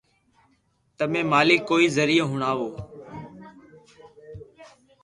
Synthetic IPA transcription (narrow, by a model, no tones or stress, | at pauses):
t̪əmẽːmaːliːkːoːiːzəɾiːəɦʊɳaːʋoː